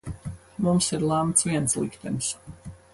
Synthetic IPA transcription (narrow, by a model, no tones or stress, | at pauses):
mumsiɾlˠamt̪sviɛnt̪slˠikt̪ɛns